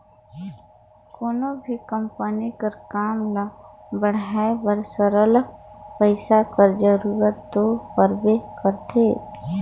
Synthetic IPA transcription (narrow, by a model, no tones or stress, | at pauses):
koːnobʱikəmpənikəɾkaːmla | bəɽ̤aːebəɾsəɾəlpəɪsakəɾd͡ʒəɾuːɾət̪ːopəɾbekəɾt̪ʰeː